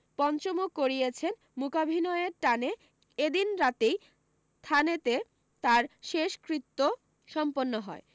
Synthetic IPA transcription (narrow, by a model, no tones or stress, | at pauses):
pɔnt͡ɕomukːoɾiet͡ɕʰen | mukabʱinoeɾʈane | ed̪inɾat̪ej | st̪ʰanet̪e | t̪aɾʃeʃkɾit̪ːo | ʃɔmponːoɦɔe